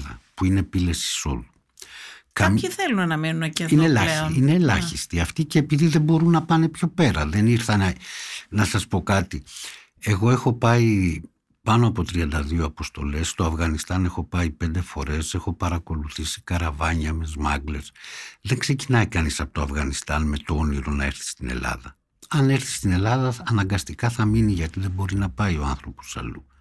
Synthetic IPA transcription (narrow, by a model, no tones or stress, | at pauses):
ðɐ̰puine̞pile̞si̥so̞̰lu | kɐmiθelunnɐmenunɐcinelɐoinelɐçist̪iɐft̪ice̞ːpiðiðebo̞ɾunɐpɐne̞pço̞pe̞ɾɐðe̞niɾθɐn | nɐsɐspo̞kɐt̪i | e̞ɣo̞e̞xo̞pɐi | pɐnoɐpo̞t̪ɾiɐnd̪ɐðioɐpo̞st̪o̞̰le̞st̪o̞ɐfɣɐnist̪ɐne̞xo̞pɐipe̞nd̪e̞fo̞ɾe̞se̞xo̞pɐɾɐko̞luθisi̥kɐɾɐvɐɲɐmezmɐɡle̞sðe̞ŋkse̞cinɐikɐnisɐpot̪oɐfɣɐnist̪ɐnme̞t̪ooniɾo̞nɐe̞ɾθi̥st̪inḛlɐ̰ðɐ | ɐne̞ɾθi̥st̪ine̞lɐðɐɐnɐŋɡɐst̪ikɐθɐminiʝɐt̪iðebo̞ɾinɐpɐio̞ɐnθɾo̞po̞̥sɐ̰lu